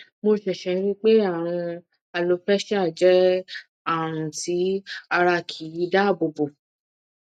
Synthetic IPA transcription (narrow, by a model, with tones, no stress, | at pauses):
mo˧ʃɛ˨ʃɛ˧˦ĩ˦k͡pe˦a˦˨ɾ̃ũ˧ | a˧lo˧fɛ˦ʃɛ˦a˦˨d͡ʒɛ˨˦ | a˦˨ɾ̃ũ˨ti˨˦a˧ɾa˧kʰi˨˦i˨˦da˦˨bo˨bo˨